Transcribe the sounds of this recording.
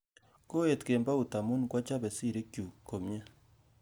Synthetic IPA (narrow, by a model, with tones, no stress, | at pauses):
ko˦e˨tke˨mba˦u˨ta˨mu˦nkwa˦t͡ʃa˦βe˨si˦˨ɾe˦kju˨ko˨mja˦